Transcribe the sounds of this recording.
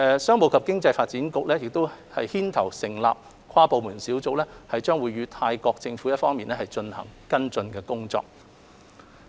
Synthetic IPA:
sœː˥ŋmo˨˧wkʰɐ˨p̚kɪ˥ŋt͡sɐ˧jfaː˧t̚t͡siː˨˥nkʊ˨k̚lɛː˥jɪ˨k̚t̪o˥whɐ˨jhiː˥nt̪ʰɐ˨˩wsɪ˨˩ŋla̰ː˨p̚ | kʰaː˥po˨wmuː˨˩nsiː˨˥wt͡so˨k̚lɛː˥hɐ˨jt͡ʃœː˥ŋwuː˨˧jɥyː˨˧t̪ʰaː˧jkɔː˧k̚t͡sɪ˧ŋfuː˨˥jɐ˥t̚fɔː˥ŋmiː˨nɛː˥hɐ˨˩jt͡ʃɵ˧nhɐ̰˨˩ŋkɐ˥nt͡sɵ˧nkɛː˧kʊ˥ŋt͡sɔ̰ː˧˨k̚

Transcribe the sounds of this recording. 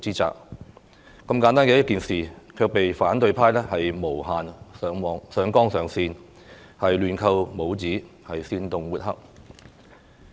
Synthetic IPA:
t͡siː˥t͡sa̰ː˨k̚ | kːɐ˧mkaː˨˥nt̪aː˥njkɛ˧wjɐ˥t̚kiː˨nsiː˨kʰœː˧k̚pe˨jfaː˨˥nt̪ɵ˧ɥpʰaː˥jlɛː˥hɐ˨jmo˨˩whaː˨nsœː˨˧ŋwɔː˨˧ŋsœː˨˧ŋkɔː˥ŋsœː˨˥ŋsiː˧n | hɐ˨jlyː˨nkʰɐ˧wmo˨˧wt͡siː˨˥ | hɐ˨jsiː˧nt̪ʊ˨ŋwuː˨t̚hɐ̰˥k̚

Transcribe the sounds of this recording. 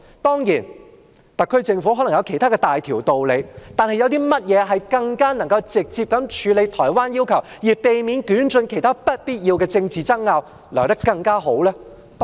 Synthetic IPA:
t̪ɔː˥ŋjiː˨˩n | t̪ɐ˨kʰːɵ˥ɥt͡sɪ˧ŋfu˨˥ɦɔ˨˥lɐ˨˩jɐ˧wkʰe˨˩jt̪ʰaː˥kɛː˧t̪aː˨jt̪ʰiː˨˩wt̪o˨wle˨˧jt̪aː˨˧nhɐ˨jɐ˧wt̪iː˥mɐ˥t̚jɛː˨˧ɦɐ˨jkɐ˧ŋkaː˥nɐ˨˩ŋkɐ˧wt͡sɪ˨k̚t͡siː˧p̚kɐ˨˥mt͡ʃʰyː˨˥le˨˧jt̪ʰɔː˨˩jwaː˥njiː˥wkʰɐ˨˩wjiː˨˩pe˨jmi˨˥nkyː˨˥nt͡ʃɵ˧nkʰe˨˩jt̪ʰaː˥pɐ˥t̚piː˥t̚jiː˧wkɛː˧t͡sɪ˧ŋt͡siː˨t͡sɐ˥k̚ŋaː˧w | lɐː˨˩t̪ɐ˥kkːɐ˧ŋkaː˥ɦo˨˥wlɛː˥

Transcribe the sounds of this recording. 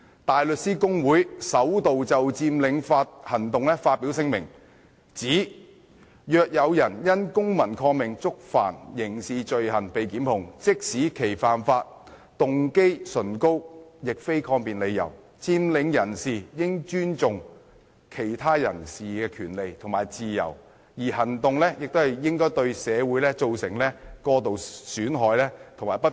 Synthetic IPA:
t̪aː˨jlɵ˨t̚siː˥kʊ˥ŋwuː˨˥jsɐ˨˥wt̪o˨wt͡sɐ˨wt͡siː˧mlɪ˨˧ŋfaː˧t̚hɐ˨˩nt̪ʊ˨ŋlɛ˥faː˧t̚pːiː˨˥wsɪ˧ŋmɪ˨˩ŋ | t͡siː˨˥ | jœː˧k̚jɐ˨˧wjɐ˨˩njɐ˥nkʊ˥ŋmɐ˨˩nkʰɔː˧ŋmɪ˨˩ŋt͡sʊ˥k̚fa̰ː˨˩njɪ˨˩ŋsiː˨t͡ʃɵ˨˧ɥhɐ˨˩npe˨jkiː˨˥mhʊ˨ŋt͡sɪ˥k̚siː˨˥kʰe˨˩jfaː˨˩nfaː˧t̚ | t̪ʊ˨ŋke˥jsɵ˨˩nko˥wjɪ˨k̚fe˥jkʰɔː˧ŋpiː˨˩nle˨˧jːɐ̰˨˩w | t͡siː˧nlɪ˨˧ŋjɐ˨˩nsiː˨jɪ˥ŋt͡ʃyː˥nt͡sʊ˨ŋ | kʰe˨˩jt̪ʰaː˥jɐ˨˩nsiː˨kɛː˧kʰyː˨˩nle˨˧jt̪ʰŋmaː˨jt͡siː˨jɐ̰˨˩w | jiː˨˩hɐ˨˩nt̪ʊ˨ŋlɛː˥jɪ˨k̚t̪o˥whɐ˨jjɪ˥ŋkɔː˥jt̪ɵ˧ɥsɛː˨˧wu˨˥jlɛː˥t͡so˨˧wsɪ˨˩ŋlɛː˥kɔː˧t̪̬o˨wsyː˨˥nɦɔː˨˧jlɛː˥t̪ʰʊ˨ŋmaː˨˩jpɐ˥

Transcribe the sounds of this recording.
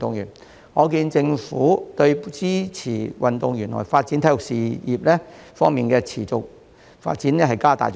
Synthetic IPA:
t̪ʊ˨ŋjy̰˨˩n | ŋɔː˨˧kiː˧nt͡sɪ˧ŋfuː˨˥t̪ɵ˧ɥt͡siː˥t͡sʰiː˨˩wʔɐ˨nt̪ʊ˨ŋjyː˨˩nlɔ̰ː˨˩jfaː˧t̚t͡si˨˥nt̪ʰɐ˧˥jʊ˨k̚siː˨˩jiː˨p̚lɛː˥fɔː˥ŋmiː˨˩nkɛː˧t͡sʰiː˨˩t͡sʊ˨k̚ | fa̰ː˧t̚t͡siː˨˥nɛ˥ɦɐ˨jkaː˥t̪a̰ː˨j

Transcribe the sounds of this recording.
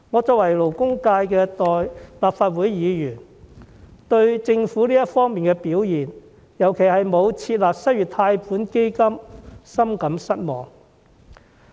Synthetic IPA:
ŋɔː˨˧t͡sɔː˧k̚wɐ˨˩jlo˨˩wkʊ˥ŋkaː˧jkɛː˧t̪ɔː˨jlaː˨p̚faː˧t̚wuː˨˥jːiː˨˧jyː˨˩n | t̪ɵ˧ɥt͡sɪ˧ŋfuː˨˥liː˥jɐ˥tfɔː˥ŋmiː˨nkɛ˧piː˨˥wjiː˨˩n | jɐ˨˩wkʰe˨˩jɦɐ˨jmo˨˧wt͡sʰiː˧t̚laː˨p̚sɐ˥t̚jyː˨t̪ʰaː˧jpʰuː˨˥nke˥jkɐ˥msɐ˥mkɐ˨˥msɐ˥t̚mɔː˨˩ŋ

